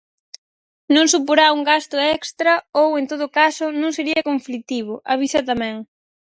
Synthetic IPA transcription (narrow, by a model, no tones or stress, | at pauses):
nõŋsupoɾauŋɡast̪ʊɛkst̪ɾɐowent̪oðʊkasʊnõŋseɾiɐkoɱflit̪iβ̞ʊʔaβisɐt̪amɛ̃ŋ